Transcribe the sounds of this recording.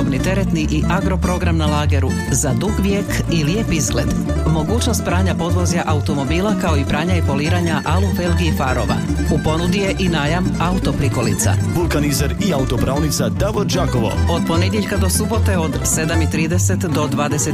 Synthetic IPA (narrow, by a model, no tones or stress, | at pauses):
obnit̪e̞ɾe̞t̪niʔiʔaɡɾo̞pɾo̞ɡɾamnalaːɡe̞ɾu | zad̪uɡʋjeːkilje̞pizɡle̞d̪ | mo̞ɡuːt͡ʃno̞st̪̚pɾaːɲapo̞d̪ʋo̞zjaʔaut̪o̞mo̞biːlˠakao̞ipɾaːɲaipo̞liːɾaɲaʔalufe̞lɡiifaɾo̞ʋa̰upo̞nud̪ije̞ʔinaːjamaut̪o̞pɾiko̞lḭt̪sa̰ʋulˠkanizaɾiaut̪opɾaːlnit̪sad̪aʋoɾd͡ʒakoʋo̰o̞d̪po̞ned̪ʲjeʎkad̪o̞subo̞t̪e̞o̞d̪se̞d̪amit̪ɾiːd̪e̞se̞t̪d̪o̞d̪ʋaːd̪e̞se̞